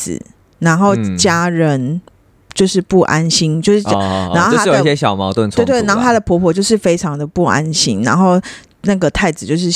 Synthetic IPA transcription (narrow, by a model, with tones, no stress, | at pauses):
na˨˦nxo˥˩ʊt͡ɕja˦˥ɻə˨˦n | t͡ɕjo˥˧ʊʂɻ̩˥˧pu˥˨ʔa˦nɕi˥nt͡ɕjo˥˧ʊʂɻ̩˥˩˨a˧nxo˥˨˥a˥˨o˨i˥˩ɕje˦˥ɕjɑ˨˩ʊmɑ˨˦ʊt̪wə˥˨nt͡sʰwe˥˧˩t̪we˥˩˨na˧˦xo˥t̪ʰa˥də˨pʰɔ˧˥pʰwɔ˨˦t͡ɕjo˥˧ʊʂ̬ɻ̩˥˩fe˥ɪʈ͡ʂʰɑ˨˧˦ŋd̪ə˨pu˥˩a̰˦nɕi˦nna˧˥nxo˥˩ʊ | na˥˩ɡə˩t̪ʰa˥˩ɪd͡zɹ̩˨˩t͡ɕjo˥˧ʊʂɻ̩˥˩